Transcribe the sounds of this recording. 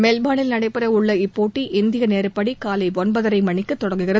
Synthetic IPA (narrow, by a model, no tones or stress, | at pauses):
meːlbaːnɪlnɐɽɐɪpːɪɾɐʊɭːɐɪpːoːʈːiʔɪnd̪ɪɣɐneːɾɯpːɐɽikaːlɐɪʋɔnbɐðɐɾɐɪmɐɳɪkːɯt̪ːɔɽɐŋɡɯɣɪrɐ